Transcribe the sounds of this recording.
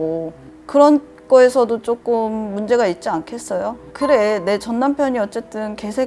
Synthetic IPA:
o | kɯɾʌn | k͈ʌesʰʌdot͡ɕ͈ok͈ɯmːund͡ʑe̞ɡait̚t͡ɕ͈iankʰe̞s͈ʌjokɯɾe̞ne̞t͡ɕʌnːampʰjʌɲiʌt̚t͡ɕ͈e̞t͈ɯnke̞sʰe̞

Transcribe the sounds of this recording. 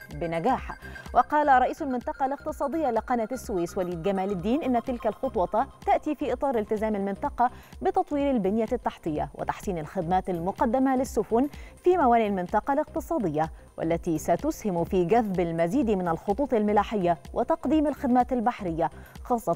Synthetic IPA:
bɪnaɡaːħwʔɑqɑːlaɾˤɑʔiːsʊlmɪnt̪ɑqɑlɪq̚t̪ɨsˤɑːd̪ˤɪjːalɪqɑnat̪asːʊwiːswaliːd̪ɡamaːlɪd̪ːiːnʔɪnːat̪ɪlkalxʊt̪ˤwɑt̪t̪aʔt̪iːfiːʔɨt̪ˤɑːɾˤɪlt̪ɪzaːmalmɪnt̪ɑqɑbɪt̪ɑt̪ˤwiːɾalbɪnjat̪ːaħt̪ˤɨjːa̰wɪ̰t̪aħsiːnalxɪd̪maːt̪almʊqɑd̪ːamalɪsːʊfʊnfiːmawaːniʔalmɪnt̪ɑqɑlɪq̚t̪ɨsˤɑːd̪ɪjːa | wʔa̰lːat̪isat̪ʊshɪmfiːɡaðbalmaziːd̪mɪnalxʊt̪ˤuːt̪ˤɪlmɪlaːħɪjːawʔɪt̪ɑqd̪iːmalxɪd̪maːt̪albaħɾɪjːa | xɑːsˤːɑ

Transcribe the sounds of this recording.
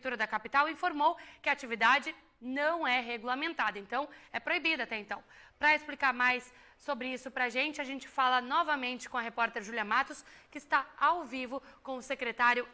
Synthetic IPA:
t̪uɾɐd̪ɐkapit̪awĩfoɾmowkɪat͡ʃivid̪ad͡ʒɪ | nɐ̃w̃ɛɦeɡulamẽnt̪ad̪ɐẽnt̪ɐ̃w̃ɛpɾoibid̪ʊat̪ɛẽnt̪ɐ̃w̃pɾɐesplikaɾmajsː | obɾɪisʊpɾɐʒẽnt͡ʃɪaʒẽnt͡ʃɪ̥falɐnɔvɐmẽnt͡ʃɪ̥kõɐɦepɔɾt̪eɾʒuliɐ̃mat̪ʊskɪːst̪aawvivʊkõw̃ʊsekɾet̪aɾjʊ

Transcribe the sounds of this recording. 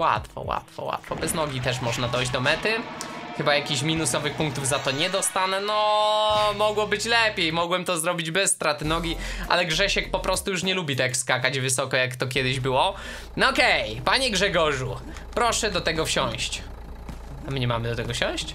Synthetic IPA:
wa̰t̪fɔ̰wa̰t̪fɔ̰wa̰t̪fɔbɛznɔɡʲit̪ɛʂmɔʐnad̪ɔjʑd͡ʑd̪ɔmɛt̪ɘ | xɘbajakʲiɕmʲinusɔvɘxpũŋk̚t̪uvzat̪ɔɲɛd̪ɔst̪anɛnɔ | mɔɡwɔbɘt͡ɕlɛpʲjejmɔɡwɛmt̪ɔzɾɔbʲid͡ʑbɛsːt̪ɾat̪ɘnɔɡʲiʔa̰lɛɡʐɛɕɛk̚pɔpɾɔst̪ujuʂɲɛlubʲit̪ɛkskakad͡ʑvɘsɔkɔjakt̪ɔkʲjɛd̪ɘʑbɘwɔ | nɔkɛjpaɲɛɡʐɛɡɔʐu | pɾɔʂɛd̪ɔt̪ɛɡɔfɕɔ̃w̃ɕt͡ɕ | amɘɲɛmamɘd̪ɔt̪ɛɡɔfɕɔ̃w̃ɕt͡ɕ

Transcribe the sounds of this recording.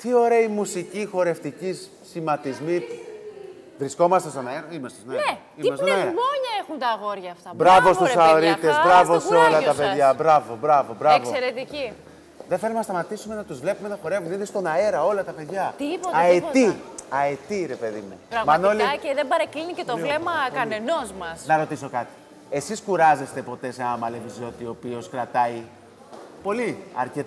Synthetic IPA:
t̪io̞ɾe̞ɐimusicixo̞ɾe̞ft̪icis | imɐt̪izmit̪ | vɾisko̞mɐst̪est̪onɐeɾɐimɐst̪est̪onɐ | imsonɐeɾɐmoɲɐexunt̪ɐɣoɾʝɐːft̪ɐbɾɐvo̞st̪usɐoɾit̪ezbɾɐvosolɐt̪ɐpe̞ðʝɐbɾɐvo̞bɾɐvo̞bɾɐvkosseɾet̪ici | ðefeɾumenɐst̪ɐmɐt̪isume̞nɐt̪uzvle̞pumenɐxo̞ɾe̞vuniðist̪o̞nɐe̞ɾɐo̞lɐt̪ɐpe̞ðʝɐt̪poɐet̪iɐet̪iɾe̞pe̞ðimuɾɐmɐno̞lieðebɐɾɐklinicet̪ovlemɐkɐnenozmɐsnɐɾo̞t̪iso̞kɐt̪i̥ | e̞siskuɾɐze̞st̪e̞po̞t̪e̞seɐmɐlevizo̞t̪io̞pio̞skɾɐt̪ɐi | po̞liɐɾcet̪

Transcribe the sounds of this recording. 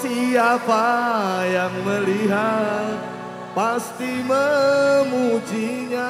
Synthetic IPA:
siapajaŋməliɦat̪̚ | past̪iməmud͡ʒiɲa

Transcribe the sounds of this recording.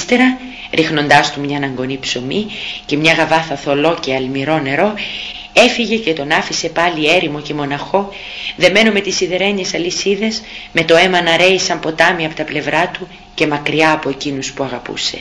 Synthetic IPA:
t̪eɾɐ | ɾʔixno̞nd̪ɐst̪umɲɐnɐŋɡo̞nipso̞mice̞mɲɐɣɐvɐθɐθo̞lo̞ce̞ɐlmiɾo̞ne̞ɾo̞ | e̞fiʝe̞ce̞t̪o̞nɐfise̞pɐlie̞ɾimo̞ce̞mo̞nɐxo̞ | ðe̞me̞nume̞t̪isiðe̞ɾe̞ɲesɐlisiðe̞zme̞t̪o̞e̞mɐnɐɾe̞isɐmpo̞t̪ɐmiɐpo̞t̪ɐple̞vɾɐt̪u | ce̞mɐkɾiɐːpo̞ecinuspuɐɣɐpṵse̞̰

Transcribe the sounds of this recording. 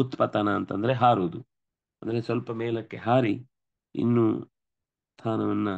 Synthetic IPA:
ut̪ːpɐt̪ɐnɐːnt̪ɐ̰nd̪ɐɾeɦaːɾuːd̪u | ɐnd̪ɐɾesʋɐlpɐmeːlɐkːe̞ɦaːɾi | ḭnːuː | st̪ʰaːnɐʋɐnːɐ

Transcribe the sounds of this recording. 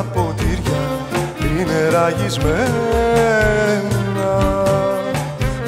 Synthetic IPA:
pot̪iɾʝɐ | ineɾɐʝizme | nɐ

